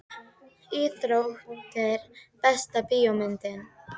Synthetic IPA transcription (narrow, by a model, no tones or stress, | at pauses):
iːθɾowxt̪ɛɾpɛst̪apiːomʏnt̪ɪn